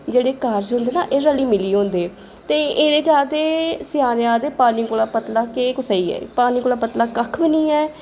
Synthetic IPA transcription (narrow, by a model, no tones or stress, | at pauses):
d͡ʒeːɽeːkaɾd͡ʒɦʊ̃nd̪eːna̰ːʔeːɾəliːmɪliːɦõːnd̪eː | t̪eːeːd̪eːt͡ʃaːd̪eːsɪjaːnjãːd̪eːpaːniːkoːlaːpət̪laːkeːkʊsaːiːɛ̰ːpaːniːkoːlaːpət̪laːkəkʰbɪniːɛː